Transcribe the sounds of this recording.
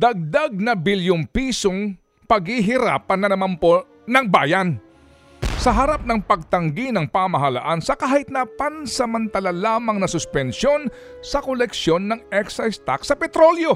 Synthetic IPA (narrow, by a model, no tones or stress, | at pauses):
d̪ɐɡ̚d̪aɡ̚nɐbɪljonpiːsoŋ | pɐɡhiɦɪɾa̰ːpɐnːɐnɐmanpo | nɐŋba̰ːjɐn | sɐɦɐɾap̚nɐŋpɐɡ̚t̪ɐŋɡinɐŋpamɐɦɐla̰ʔansɐkaːhɪt̪̚nɐpansɐmɐnt̪ɐlalaːmɐŋnɐsʊspɛnʃjo̞nsɐkolɛkʃjo̞nːɐŋɛksajst̪a̰ksɐpɛt̪ɾo̞ljo̞